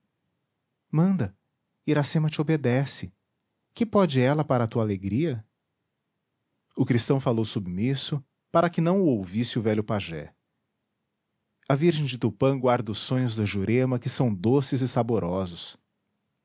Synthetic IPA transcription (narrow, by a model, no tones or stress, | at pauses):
mɐ̃nd̪ɐ | iɾasẽmɐt͡ʃɪobed̪ɛsɪ | kɪpɔd͡ʒɪɛlɐpaɾɐt̪uɐaleɡɾiɐ | ʊkɾist̪ɐ̃w̃falowsubimisʊ | paɾɐkɪnɐ̃w̃ʊowvisɪʊvɛʎʊpaʒɛ̰ | ɐviɾʒẽj̃d͡ʒɪt̪ewpɐ̃ɡwaɾd̪ɐʊsːõɲʊzd̪ʊʒuɾẽmɐkɪsɐ̃w̃d̪osɪzɪsaboɾʔɔzʊs